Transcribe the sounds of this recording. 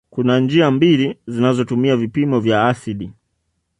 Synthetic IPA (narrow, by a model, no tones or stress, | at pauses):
kunand͡ʒiambilizinazɔtumiavipimɔvjaasiɗi